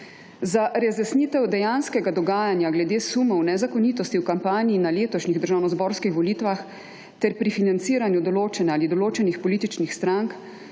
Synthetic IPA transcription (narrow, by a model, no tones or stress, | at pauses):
zaʔɾɛzɛsniːt̪ɛwd̪ɛjanskɛɡad̪ɔɡaːjanjaɡlɛd̪eːsumɔwnɛzakɔniːt̪ɔst̪iwkampaːniːnaleːt̪ɔʃniɣd̪əɾʒawnɔzbɔːɾskixʋɔliːt̪ʋax | t̪ɛɾpɾifinant̪siːɾanjud̪ɔloːt͡ʃɛnɛaːlid̪ɔloːt͡ʃɛnixpɔliːt̪it͡ʃnixst̪ɾaŋk